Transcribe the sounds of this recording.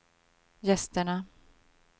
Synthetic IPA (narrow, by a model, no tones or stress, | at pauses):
jɛst̪əɳa